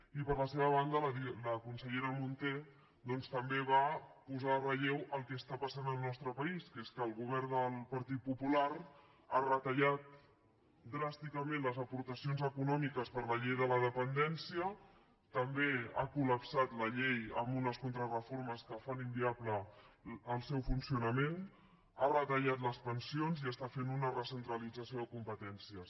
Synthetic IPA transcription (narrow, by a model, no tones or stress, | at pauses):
ipəɾləseβ̞əβ̞and̪ələðiləkunsəʎeɾəmunt̪e | d̪ɔnst̪əmbeβ̞apuzarəʎewʔəlˠkɛːst̪apəsanəlˠnɔst̪ɾəpəiskeskəːlˠɣuβ̞ɛɾnd̪əlˠpəɾt̪it̪̚pupulaɾ | arət̪əʎat̪ | d̪ɾast̪ikəmẽnləzəpuɾt̪əsionzəkunɔmikəspəɾləʎejðələðəpənd̪ɛnsiə | t̪əmbea̰kuləpsat̪ləʎejəmbunəskunt̪ɾərəfoɾməskəfanimbiabləː | lˠsɛwfunsiunəmen | arət̪əʎat̪ləspənsionziəst̪afenunərəsənt̪ɾəlid͡zəsioðəkumpət̪ɛnsiəs